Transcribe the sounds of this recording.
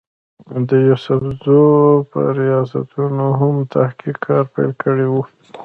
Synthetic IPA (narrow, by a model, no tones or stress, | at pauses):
d̪əjusʊfzopə̰ɾijɑsa̰t̪unoɦamt̪ʰahkikʰːɑɾpa̰jlkəɽewu